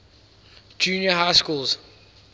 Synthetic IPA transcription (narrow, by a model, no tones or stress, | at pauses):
d͡ʒuːnjəɦaɪskuːlz̥